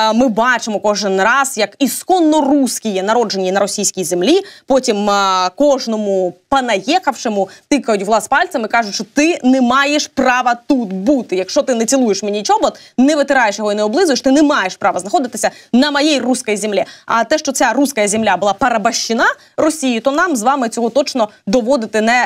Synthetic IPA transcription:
mɪbɑt͡ʃɪmɔkɔʒɪnrɑzjɐkiskɔnːɔruskʲijɛnɐɾɔd͡ʒe̞nʲinɐɾɔsʲijsʲkʲijzemlʲipɔtʲimkɔʒnɔmupɐnɐjɛxɐwʃɪmʊt̪ɪkɐjʊtʲʋlˠɑspɑlʲtsɐmɪkɑʒʊʃt͡ʃɔt̪ɪnɛmɑjeʃprɑʋɐt̪ut̪but̪ɪjɐkʃt͡ʃɔt̪ɪnɛt͡sʲilˠujeʃmenʲit͡ʃɔɦɔt̪nɛʋɪt̪ɪɾɑjeʃjɔɦɔinɛɔblˠɪzʊjeʃt̪ɪnɛmɑjeʃpɾɑʋɐznɐxɔd̪ɪt̪ɪsʲɐnɐmɐjɛjruskɐjzʲemlʲɛɐ̰t̪ɛʃt͡ʃɔt͡sʲaɾuskɐjɐzʲemlʲabʊlˠɑpɐɾɐbɐʃt͡ʃɪnɑ | rɔsʲijit̪ɔnɑmzʋɑmɪt͡sʲɔɦɔt̪ɔt͡ʃnɔd̪ɔʋɔd̪ɪt̪ɪnɛ

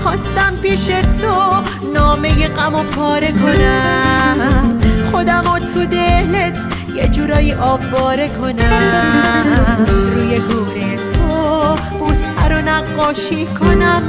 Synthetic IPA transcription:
χɒːst̪æmpiːʃet̪ʰo | nɔːme̞jeqæmopʰɒːɾekʰo̞næmχod̪æmɔːt̪ʰud̪elet̪ʰ | jed͡ʒuːɾɒːjiːʔɒːvːɒːɾekʰonæ | ɾuːjeɡuːneet̪ʰo | b̥uːsæɾonæqːɒːʃiːkʰonæm

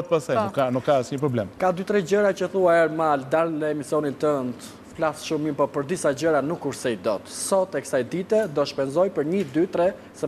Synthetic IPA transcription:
t̪pasajnukːanukkːaəsɲəpɾɔblɛmkad̪yt̪ɾɛd͡ʑəɾacəθuaɛɾmald̪allɛɛmisiɔnint̪ənt̪ | flasʃumimpɔpəɾd̪isad͡ʑəɾanukːuɾsɛid̪ɔt̪sɔt̪ɛkə̥sajd̪it̪ɛd̪ɔʃpɛnzɔjpəɾɲəd̪yt̪ɾɛ | sɛ

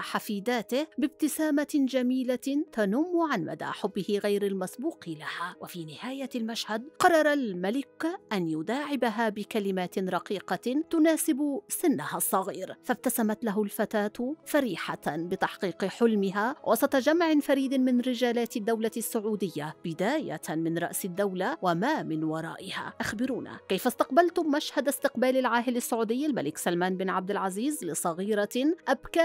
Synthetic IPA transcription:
ħafiːd̪aːt̪ɪhbɪb̚t̪ɪsaːmad͡ʒamiːlat̪anuːmːʊʕanma̰d̪a̰ħʊbːɪhɪɣajɾalmasbuːqɪlahawʔafiːnɪhaːjalmaʃhad̪qɑrˤːɑɾˤalmalɪkʔanjʊd̪aːʕɪbaɦaːbɪkalɪmaːt̪ɪnɾˤɑqiːqɑt̪ʊnaːsɪbʊsɪnːahasˤːɑɣiːɾfab̚t̪asamat̪laɦʊlfat̪aːt̪faɾiːħabɪt̪ɑħqiːqɪħʊlmɪɦawʔɑsˤɑt̪ˤɑd͡ʒamʕɪnfaɾiːd̪ɪnmɪnɾɪd͡ʒaːlaːt̪ad̪ːawlasːʊʕuːd̪ɪjːabɪd̪aːja̰mɪnɾˤɑ̰ʔsɪd̪ːawlawamaːmɪnwɑɾˤɑ̰ːʔɪha̰ːʔaxbɪɾuːna̰kajfast̪ɑqbalt̪ʊmːaʃhad̪ast̪ɪqbaːlalʕaːɦɪlasːʊʕuːd̪ɪjːalmalɪksalmaːnbɪnʕab̚d̪ɪlʕaziːzlɪsˤɑɣiːɾaʔabka

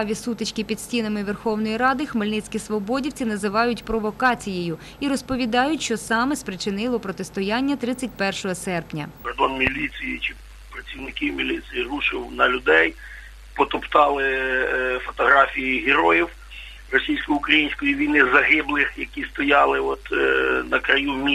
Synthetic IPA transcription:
ʋʲisut̪ɪt͡ʃʲkʲipʲid̪sʲtʲinɐmɪʋɛrxɔwnɔjiɾɑd̪ɪxmelʲnɪt͡sʲkʲisʋɔbɔdʲiwt͡sʲinɐzɪʋɑjʊtʲpɾɔʋɔkɑt͡sʲijejʊ | iɾɔspɔʋʲid̪ɑjʊtʲʃt͡ʃɔsɑmɛspɾɪt͡ʃɪnɪlˠɔpɾɔt̪est̪ɔjanʲːɐt̪ɾɪt͡sʲːɐt̚ʲpɛrʃɔɦɔsɛrpnʲɐ̰kɔrd̪ɔnmʲilʲit͡sʲijit͡ʃɪ | pɾɐt͡sʲiwnɪkʲiwmʲilʲisʲijiruʃɪwnɐlʲʊd̪ɛj | pɔt̪ɔpt̪ɑlˠɪ | fɔt̪ɔɦɾɑfʲijiɦeɾɔjiw | rɔsʲijsʲkɔjiʊkɾɐjinʲsʲkɔjiʋʲijnɪzɐɦɪblˠɪxjɐkʲist̪ɔjɑlˠɪɔt̪nɐkɾɐjumʲi

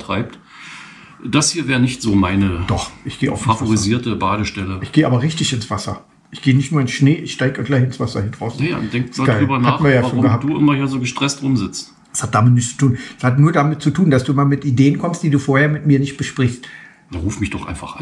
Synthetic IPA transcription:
tʁ̥aɪp̚t | d̥ashiːɐvɛːʁənɪçtz̥oːmaɪnəd̥ɔχʔɪçɡ̥eːʔa̰ʊffafoʁiziːɐtəbaːɾəʃtɛləʔɪçɡ̥eːʔaːbɐʁɪçtɪçɪnsv̥asɐ̰ | ʔɪçɡ̥eːənɪçtnuːɐɪnsʃneːʔɪçʃtaɪɡəɡlaɪçɪnsv̥asɐhɪndʁaʊsnaja̰nd̥ɛŋktaːdɡaɪlʁyːbɐnatːn̩viːɐjaːʃoːnɡəhaːd̥uːɪnmahiːɐzoːɡəʃtʁ̥ɛstʁʊmzɪt͡st | shatd̥aːmɪtnɪçt͡su̥tʰuːnɛshatnuːɐdamɪt̚t͡sutʰuːndasd̥uːmaːlmɪtideːənkʰɔmst̚d̥iːduːfoːɐheːɐmɪtmiːɐnɪçt̚b̥əʃpʁ̥ɪçst | aʁuːfmɪçd̥ɔχʔa̰ɪnfaχʔa

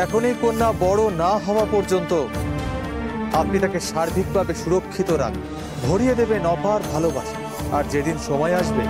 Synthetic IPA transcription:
ɛkʰonejkonːabɔɽonaɦɔoapɔɾd͡ʑont̪o | ap̚nit̪akeʃaɾbʱikbʱabeʃuɾokʰːit̪oɾa̰kʰ | bʱoɽijed̪ebenɔpaɾbʱalobaʃḁ | aɾd͡ʑed̪inʃɔmɔeaʃbe

